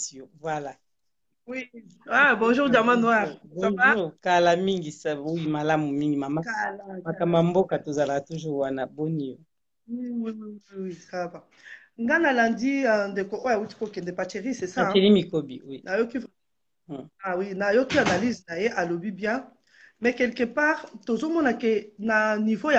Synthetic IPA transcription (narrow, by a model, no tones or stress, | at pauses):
sovwala | wiabõʒuʁdamãnwaʁbɔ̃ukalamiŋɡisaoimalamumiŋɡimamakmakamambokatozalakatuʒuʁwanabonijo | iwiwiiwisava | ŋɡanalandindekoʔojauti̥kokɛndɛpat͡ʃeʁisɛsaakɛlimikobinajokiv | awinajokianaliznajeʔalobibjɛ̃ | mɛkɛlkɛpaʁtozomɔnakenanivoja